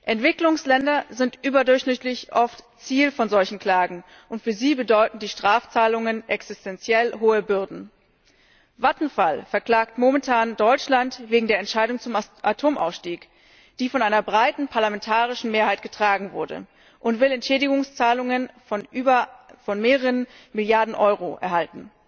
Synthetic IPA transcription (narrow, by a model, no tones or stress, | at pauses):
ʔɛntv̥ɪklʊŋslɛndɐzɪntʔyːbɐdʊɐçʃnɪtlɪçʔɔft | t͡siːlfɔnzɔlçn̩kl̥aːɡŋ̩ | ʔʊntfyːɐziːbədɔʏtn̩diːʃtʁ̥aːft͡saːlʊŋənʔɛksɪstʰɛnt͡sjɛlɦoːəbʏɐdn̩ | vatn̩falfɛɐkl̥aːktmomɛntʰaːndɔʏt͡ʃlantveːɡŋ̩deːɐɛntʃaɪdʊŋt͡sʊmʔatʰoːmʔa̰ʊsʃtiːk | d̥iːfɔnʔaɪnɐbʁaɪtn̩pʰaɐlamɛntʰaːʁɪʃn̩meːɐhaɪtɡ̥ətʁ̥aːɡŋ̩vʊɐdə̰ | ʔʊntv̥ɪlɛntʃɛːdɪɡʊŋst͡saːlʊŋənː | ɐfɔnmeːʁəʁənmɪljaɐdn̩ʔɔʏʁoʔɛ̰ɐhaltn̩